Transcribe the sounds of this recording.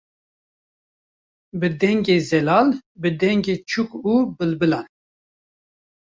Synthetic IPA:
bɨd̪ɛŋɡeːzɛlɑːlbɨd̪ɛŋɡeːt͡ʃʰukuːbɨlbɨlan

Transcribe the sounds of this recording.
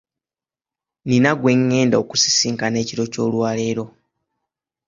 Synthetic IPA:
ninaɡwe̞ŋːe̞ːndaoku̥si̥siːŋkane̞ːciɾo̞co̞ːlwaːle̞ːɾo̞

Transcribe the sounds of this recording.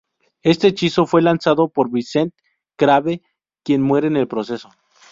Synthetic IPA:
e̞st̪et͡ʃiso̞fwe̞lansaðopo̞ɾβise̞nt̪ | kɾaβe | kje̞nmwe̞ɾene̞lpɾo̞se̞so

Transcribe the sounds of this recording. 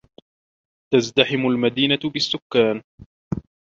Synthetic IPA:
t̪azd̪aħɪmʊlmad̪iːnabɪsːʊkːaːn

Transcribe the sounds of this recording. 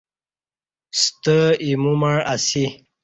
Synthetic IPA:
st̪əimumaɻasi

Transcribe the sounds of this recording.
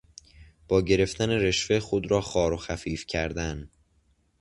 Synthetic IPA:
b̥ɒːɟe̞ɾe̞ft̪æne̞ɾe̞ʃfe̞xod̪ɾɒːxɒːɾo̞xæfiːfcʰæɾd̪æn

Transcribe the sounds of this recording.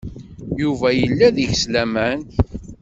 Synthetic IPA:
juvæjəlːæðəʝslæmæn

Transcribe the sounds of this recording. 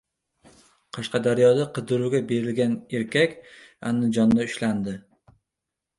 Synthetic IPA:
qʰɑʃqɑd̪aɾjɒd̪aqʰɨd̪ɪɾuɡʲabe̞ɾɪlɡʲane̞ɾkʲʰakʲa̰nːɪd͡ʒɒnːaʊʃland̪ɪ

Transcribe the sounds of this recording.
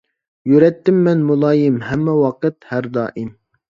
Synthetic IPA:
jyɾɛt̪ːɪmːɛnmulˠɑːjɪmhɛmːɛwɑqɨt̪hæɾd̪ɑ̰ːʔɪm

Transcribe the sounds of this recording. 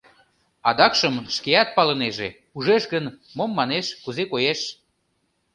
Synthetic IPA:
ɑd̪ɑkʃəmʃkeɑt̪̚pɑləneʒe | uʒeʃɣən | momːɑneʃkuzekojeʃ

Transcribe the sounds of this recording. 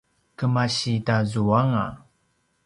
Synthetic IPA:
kəmaɕidazuaŋa̰

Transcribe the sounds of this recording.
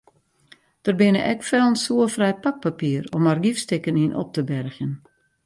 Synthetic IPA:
d̥ərbɪnəʔɛkfɛlˠənsuəfrɛjpak̚papiərɔmarɡifstɪkəninʔɔ̰p̚təbɛrxən

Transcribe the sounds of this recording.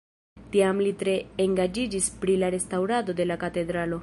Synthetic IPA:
tiamlitɾe̞eŋɡad͡ʒid͡ʒispɾilaɾe̞stawɾado̞de̞lakate̞dɾalo̞

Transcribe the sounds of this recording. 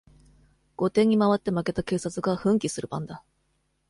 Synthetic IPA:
ɡ̥o̞t̪ẽ̞ɲ̟imaβat̪ːe̞make̞t̪ake̞ːsat͡sɨɡaɸɯ̟̃ŋkʲisɨɾɯ̟bã̰nd̪a

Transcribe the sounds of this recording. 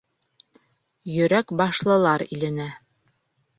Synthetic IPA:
jɵ̆ɾækbɑʃlˠɤ̆lˠɑɾḭlɘ̆næ

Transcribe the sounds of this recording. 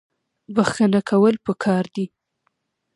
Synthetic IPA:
baxkənakʰawəlpəkʰɑɾd̪i

